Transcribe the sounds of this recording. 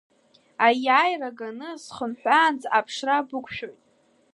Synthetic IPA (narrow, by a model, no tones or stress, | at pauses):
ajajraɡanɨsχəmħʷᶣaːnd͡zapʰʂrabɨkʷʰʼʃᶣo̞jtʼ